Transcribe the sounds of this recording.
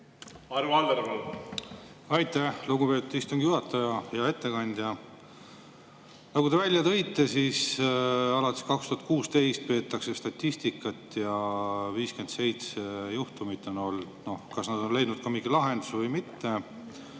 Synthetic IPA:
ɑɾuɑnd̪eɾmol | ɑjt̪æhluɡupe̞t̪u̥dt̪ist̪oŋɡijuɦɑt̪ːˑɑjɑjɑe̞t̪ːe̞kɑnʲd̪̥ʲjɑ | nɑɡud̪e̞vælʲjɑt̪ɤ̞jt̪ːe̞sis | ɑlɑt̪ʲːˑi̥skɑkst̪uhɑt̪̚kuːst̪e̞jst̪̚pe̞ːt̪ːˑɑkse̞st̪ɑt̪ʲːist̪ikːˑɑt̪ːˑjɑviːske̞nd̪se̞jt̪sejuht̪umit̪ːˑo̞no̞ld̪̥no̞hkɑsnɑd̪̥o̞nle̞jd̪nud̪̚kɑmiɡ̥ilɑɦe̞nd̪usvɤjmit̪ːe̞

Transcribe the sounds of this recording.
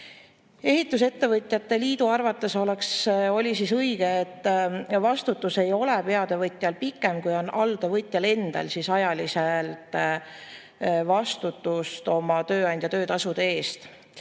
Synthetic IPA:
e̞ɦit̪ˑːus̬e̞t̪ːe̞vɤt̪ʲˑjɑt̪ːe̞liːd̪uɑrvɑt̪ːˑe̞so̞le̞kso̞lʲisisɤjiɡ̥eet̪ːvɑst̪ut̪ːˑuse̞jo̞lepe̞ɑd̪̥e̞vɤt̪ʲˑjɑlpikːˑe̞mkujo̞nɑld̪̥evɤjt̪ʲˑjɑle̞nd̪̥ɑ̰lsisɑjɑliselt̪ˑ | vɑst̪ut̪ːˑust̪o̞mɑt̪ø̞ːɑnd̪̥ʲjɑt̪ø̞ːt̪ɑsud̪̥eeːst̪

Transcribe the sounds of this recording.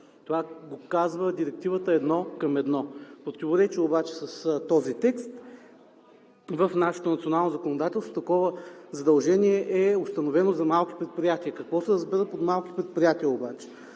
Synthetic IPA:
t̪ovaɡokazvəd̪iɾɛk̚t̪ivət̪əɛd̪nɔkɐmɛd̪nɔpɾot̪ivoɾɛt͡ʃɛobat͡ʃɛ̥sɐst̪ɔzit̪ɛkst̪ | vəfnaʃɛ̥t̪onɐt̪sionalˠnozɐkonod̪at̪ɛlˠst̪o̥t̪ɐkɔvəzɐd̪ɐlˠʒɛniɛʔɛost̪ɐnovɛnozɐmalˠki̥pɾɛt̪̚pɾijat̪iəkɐkvɔsɛɾəzbɛɾəpot̪malˠki̥pɾɛt̪̚pɾijat̪iəobat͡ʃɛ̥

